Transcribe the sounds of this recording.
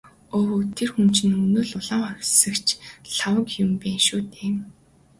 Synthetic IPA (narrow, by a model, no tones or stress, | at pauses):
oːwot̪ʰerxumt͡ɕɪ̆nɵnoːɮʊɮaːŋχœɾʲsə̆kt͡ɕʰɬawə̆kjʊmpeːnʃuːt̪eːm